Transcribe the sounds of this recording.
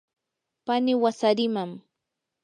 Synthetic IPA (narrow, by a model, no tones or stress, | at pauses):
panɪwasaɾɪmam